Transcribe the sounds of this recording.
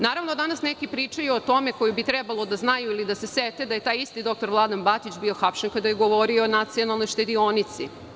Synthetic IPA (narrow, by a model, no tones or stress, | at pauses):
naːɾaʋnod̪anasnekipɾiːt͡ʂajuot̪o̞meko̞jubit̪ɾɛbalˠod̪aznajuilid̪aseset̪ed̪aje̞t̪aːjist̪id̪o̞k̚t̪oɾʋlˠad̪anbat̪it͡ɕbio̞xapʃenkad̪ajeɡoʋo̞ɾioːnat̪sio̞nalˠno̞jʃt̪e̞d̪io̞nit̪sḭ